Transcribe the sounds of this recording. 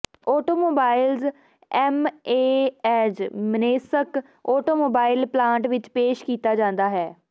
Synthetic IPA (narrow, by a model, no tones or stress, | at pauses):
ɔːʈoːmoːbaːɪlz | ɛːmeːɛːd͡ʒməneːsək | ɔːʈoːmoːbaːɪlplãːɳʈʋɪt͡ʃpeːʃkiːt̪aːd͡ʒãːnd̪aːɦɛː